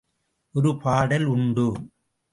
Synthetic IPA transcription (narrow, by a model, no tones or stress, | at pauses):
ʔɔɾɯpʰaːɽɐlʊɳɖɯ